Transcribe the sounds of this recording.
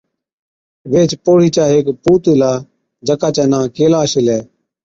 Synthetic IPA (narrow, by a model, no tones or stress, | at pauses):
ʋeːt͡ʃpoːɽ̤iːt͡ʃaːɦeːkpuːt̪eːlaː | d͡ʒəkaːt͡ʃɛːnãːkeːlaːʃɪlɛː